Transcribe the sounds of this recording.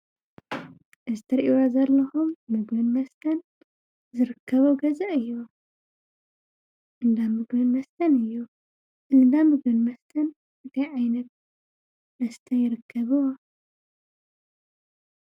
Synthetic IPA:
ʔɨzɨt̪ʰɐɾʔiwazɐlːɐxumːɨɡmɨnmɐst̪ʰɐn | zɨɾɨkʰːɐβuɡɐzɐʔɨjːu | ʔɨnd̪amɨɡbɨnmɐst̪ʰɐnɨjːu | ʔɨnd̪amɨɡbɨnmɐst̪ʰɐn | ʔɨt̪ʰɐjʕajnɐt̪̚ | mɐst̪ʰɐjɪɾɨkʰːɐβɨwɐ

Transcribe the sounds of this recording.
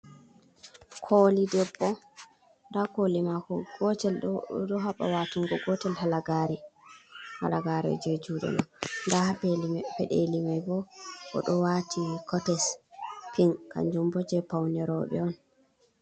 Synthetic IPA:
kʰoːlidɛbːɔ | ndakolimakɔɔɛlɗɔɦaɓa̰watuŋɡɔɡɔtɛlhalaɡaɾi | ha̰laɡaɾɛɔ̰d͡ʒed͡ʒuːɗɛ̰nɔndahapɛɗelimajbɔʔɔ̰ɗɔwatʰikʰɔtɛspiŋka̰ɲd͡ʒumbɔd͡ʒɛpawnɛɾɔɓɛ̰ɔn

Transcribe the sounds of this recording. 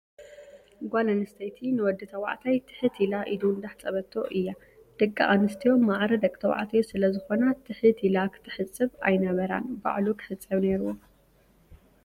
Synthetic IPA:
ɡʷalɐnɨst̪ʰɐjt̪ʰinɨwɔd̪ːɨt̪ʰɐwa̰ʕt̪ʰajt̪ʰɨ̥ħɨt̪ʰilaʔid̪und̪aħt͡sʼɐβɐt̪ʰːo̞̰ʔɨjːa | d̪̥ɨkʼːa̰ʔanɨst̪ʰijo̞mːaʕɾɐd̪ɐkʼt̪ʰɐwa̰ʕt̪ʰɐjosɨlɐzɨxo̞nat̪ʰɨħɨt̪ʰilakʰɨ̥t̪ʰɨ̥ħɨt͡sʼːɨβa̰jnɐβɐɾa̰nba̰ʕlukʰɨ̥ħɨt͡sʼːɐβneɾuwo

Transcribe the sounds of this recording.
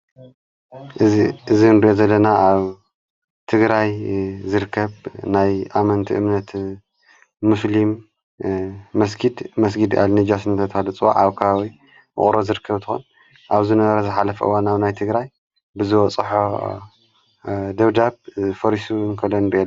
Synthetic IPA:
ʔɨiʔɨzinɾijozɐlːɐnaʔaβ | t̪ʰɨɡɾajzɨɾɨkʰːɐβnajʔamɐnt̪ʰiʔɨmnɐt̪ | uslim | ɐsɡid̪mɐs̬ɡid̪a̰lnid͡ʒasɨnt̪ʰɐt̪ʰɐhalɨt͡sʼɨwa̰ʕaβkʰɐβawi | ɨ̰χʼɾozɨɾɨkʰːɐβt̪ʰɨxon | ʔaβzɨnɐβɐɾɐzɨħalɐfɐʔɨ̰wanaβnajt̪ʰɨɡɾaj | bɨzɨwɔt͡sʼɨħo | d̪ɐβd̪aβfɐɾiʃunkʰɐlːonɾiʔe

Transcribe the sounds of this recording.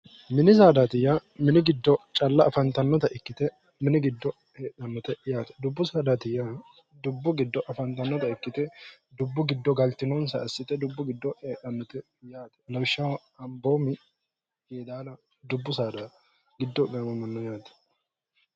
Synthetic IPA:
mɪnɪs̬aːd̪at̪ɪjːamɪnɪɡɪd̪ːɔt͡ʃʼɐlːɐːfɐnt̪ɐnːɔt̪ɐʔɪkːɪt̪ɛ | mɪnɪɡɪd̪ːɔ | heːɗɐnːɔt̪ɛjaːt̪ɛ̥d̪ʊbːʊsaːd̪at̪ɪjːa | d̪ʊbːʊɡɪd̪ːɔʔɐfɐnt̪ɐnːɔt̪ɐɪkːɪt̪ɛd̪ʊbːʊɡɪd̪ːɔɡɐlt̪ɪnɔnsɐɐsːɪt̪ɛd̪ʊbːʊɡɪd̪ːɔheːᶑɐnːɔt̪ɛ | jaːt̪ɛ̥lɐwʃːɐwɐ | ɐmboːmɪ | jeːd̪aːlɐ | d̪ʊbːʊsaːd̪a | ɡɪd̪ːɔɡɐmɐmːɐnːɔjaːt̪ɛ̥

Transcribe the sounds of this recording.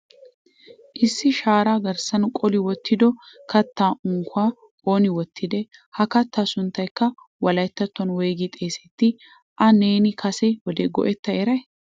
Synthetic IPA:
ʔɪsːɪʃaːɾaːɡɐɾsɐnkʼɔlɪwɔt̪ːɪd̪ɔkɐt̪ːaːʔʊŋkːʊaː | kʼoːnɪwɔt̪ʰːɪd̪ɛhɐkɐt̪ːaːsʊnt̪ːɐjkːɐ | wɐlɐjt̪ːɐt̪ːɔnweːɡɪt̪ʼeːsɛt̪ːɪ | ʔɐneːnɪkʰɐsɛwɔd̪eɡɔ̰ʔɛt̪ːɐɛɾɐj

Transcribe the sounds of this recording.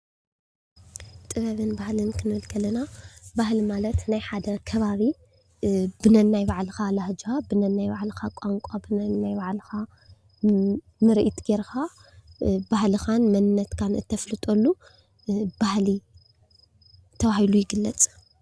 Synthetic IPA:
t̪ʼɨβɐβɨnbahlɨnkʰɨnɨɨlkʰɐlɐnabahlimalɐt̪najħad̪ɐkʰɐβaβi | bɨnɐnːajbaʕlɨxalahd͡ʒxabɨnɐnːajbaʕlɨxakʼaŋkʷʼabɨnanajbaʕlɨxa | nɨɾɨʔit̪ʼɡ̥eɾxa | bahlɨxanmɐnɨnːɐt̪kʰanɨ̰t̪ʰːɐflɨt̪ʼolːu | b̥ahli | t̪ʰɐβahilujɪɡɨlːɐt͡sʼ

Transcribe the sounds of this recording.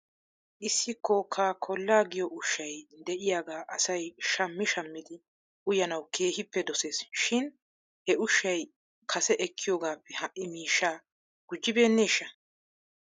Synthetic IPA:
ʔɪsːɪkʰːɔkʰaːkʰɔlːaːɡɪjɔʔʊʃːɐjd̪ɛʔɪjaːɡaːʔɐsɐjʃɐmːɪʃɐmːɪd̪ɪ | ʔʊjɐnɐwkʰe̞ːhɪpːɛd̪ɔse̞ːsʃɪn | hɛʊʃːɐj | kʰɐsɛʔɛkʰːɪjoːɡaːpːɛhɐʔːɪmiːʃːaː | ɡ̥ʊd͡ʒːɪbe̞ːnːe̞ːʃːɐ

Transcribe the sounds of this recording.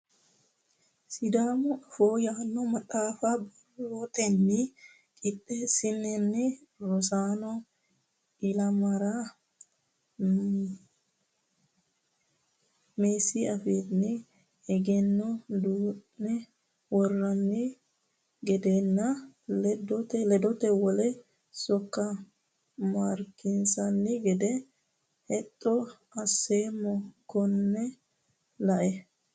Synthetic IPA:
sid̪aːmufoːjaːnːɔmɐt̪aːfabarɔt̪ɛnːi | kʼiɗːɛsinɛnːiɾɔsanɔ | ilamaɾa | mesiafid̪ni | ɛɡɛnːɔd̪uːʔːɛ | wɔrːɐnːɪ | ɡɛd̪enːɐlɛd̪ɔt̪ɛlɛd̪ɔt̪ɛwɔlɛ | sɔkːɐ | maːɾkːɪnsɐnːɪɡɛd̪ɛ | hɛt̪ʼːɔ | ɐsːeːmɔkɔnːɛ | lɐʔɛ

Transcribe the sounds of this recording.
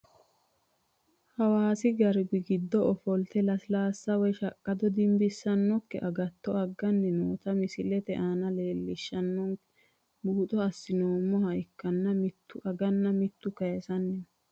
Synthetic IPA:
hɐwaːsɪɡɐɾɡɪɡɪd̪ːɔɔfɔlt̪ɛlɐslaːsːɐwɔjʃɐkʼːɐd̪ɔd̪ɪmbɪsːɐnːɔkːɛ̰ʔɐɡɐt̪ːɔɐɡːɐnːɪnoːt̪ɐmɪsɪlɛt̪ɛʔaːnɐle̞ːlːɪʃːɐnːɔŋ | buːt̪ʼɔɐsːɪnoːmːɔhɐjkːɐnːɐmɪt̪ːʊɐɡɐnːɐmɪt̪ːʊkɐjɛsɐnːɪn

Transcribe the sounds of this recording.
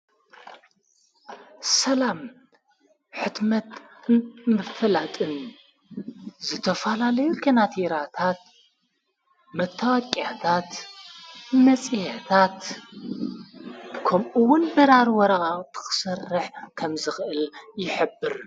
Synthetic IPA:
sɐlam | ħɨt̪mɐt̪ | mɨfɐlat̪ʼɨn | zɨt̪ʰɐfɐlalɐjukʰɐnat̪ʰiɾat̪ʰat̪̚ | mɐt̪ʰːawɐkʼat̪ʰat̪ | mɐt͡sʼihet̪ʰat̪ | kʰomʔuwʊnbɨɾaɾwɔɾɐɣʼat̪ʰɨ̥xɨ̥sɐrːɨħkʰɐmzɨxɨʔɨljɪħɨbːɨɾ

